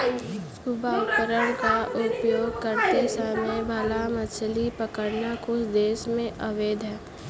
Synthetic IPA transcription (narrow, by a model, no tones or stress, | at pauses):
subaʊpəɾəɽ̃kaʔʊpjoːɡ̚kəɾt̪esəmebʱalamət͡ʃʰlipəkəɽnakʊsd̪eːʃmẽʔəʋeːd̪ʱɦɛː